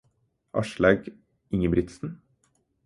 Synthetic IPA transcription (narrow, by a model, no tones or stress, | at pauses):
ʔɑ̰ʃlæɡ | ɪŋəbɾɪt̪sn̩